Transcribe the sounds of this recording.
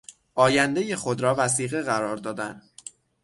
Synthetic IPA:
ʔɒːjænd̪eje̞xo̞d̪ɾɒːvæs̬iːɣe̞ɣæɾɒːɾd̪ɒːd̪æn

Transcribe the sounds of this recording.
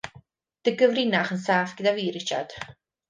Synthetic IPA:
d̥əɡəvrɪnaχənsaːfɡ̥ədaviːɾɪt͡ʃa̰d̥

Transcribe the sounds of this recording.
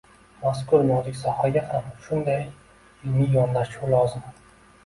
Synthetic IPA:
maskʰʊɾnɒd̪ɪkʲsɒhaɡʲahamʃʊnd̪aj | ɪlmɪjɒnlaulɒzɪm

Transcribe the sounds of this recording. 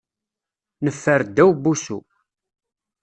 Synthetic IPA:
nəfːəɾd̪ːæwbusṵ

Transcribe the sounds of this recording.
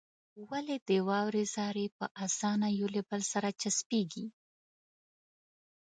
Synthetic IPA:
waled̪əwɑwɾezɑɾepəʔasɑnajolebəlsaɾat͡ʃaspeɡi

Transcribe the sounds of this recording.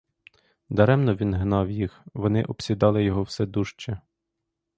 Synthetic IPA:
d̪ɐɾɛmnɔʋʲinɦnɑwjixʋɔnɪʔɔpsʲid̪ɑlˠɪjɔɦɔwsɛd̪uʃt͡ʃɛ

